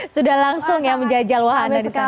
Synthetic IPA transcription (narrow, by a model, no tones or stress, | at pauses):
sudahlaŋsʊŋjaŋməɲd͡ʒadid͡ʒalwaɦanadisa